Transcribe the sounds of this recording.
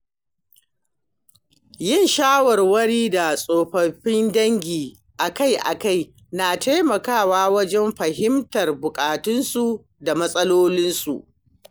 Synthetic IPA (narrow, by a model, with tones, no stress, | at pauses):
jɪ˦˨nʃaː˦wɐ˨rwɐ˦ɽiː˦da˨sʼoː˨ɸɐ˨ɸɪ˦ndɐ˦ŋɡʲiː˨ | ʔa˨ka˦jʔa̰˨ka˦˨j | naː˨ta˦jmɐ˨kaː˦˨waː˦wɐ˦d͡ʒɛ˦mɸɐ˨hɪ˦mtɐ˨rbʊ˨kʼaː˨tʊ˦nsu˨ | da˨mɐ˦sʼɐ˦loː˦lɪ˦nsu˨ʔ